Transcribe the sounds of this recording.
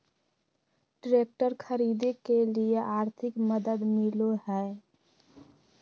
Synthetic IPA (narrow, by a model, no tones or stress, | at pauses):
ɖɾeːk̚ʈəɾkʰəɾiːd̪ekelieʔaːɾt̪ʰɪkməd̪əd̪mɪloɦɛː